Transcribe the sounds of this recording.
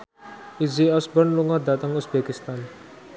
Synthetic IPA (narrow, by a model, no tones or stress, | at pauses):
ʔiziɔsbɔnluŋɔdat̪əŋusbekist̪an